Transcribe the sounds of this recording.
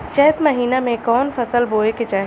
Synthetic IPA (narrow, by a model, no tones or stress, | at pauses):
t͡ʃɛɦt̪mɐɦiːnamẽkɔːnfʰɐsəlboːeket͡ʃaːɦ